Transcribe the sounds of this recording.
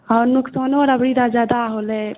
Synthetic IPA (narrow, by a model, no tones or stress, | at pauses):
ɔɾnuksɔnoɾəbɾid̪ad͡ʒad̪aɦolɛ